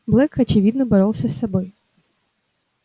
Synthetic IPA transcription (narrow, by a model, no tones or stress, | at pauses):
blˠɛkɐt͡ɕɪvʲid̪nəbɐɾolˠsʲəsːɐboj